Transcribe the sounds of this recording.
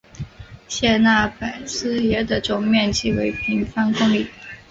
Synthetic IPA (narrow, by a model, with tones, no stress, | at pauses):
ɕjɛ˥˧na˥˩pa˨˩ɪsɹ̩˥jɛ˧˥d̪ə˨ʈ͡ʂʊ˨˩ŋmjɛ˥˧nt͡ɕʰi˥˩we˧˥ɪpʰi˧˥ŋfɑ˥ŋkʊ˥ŋli˥˩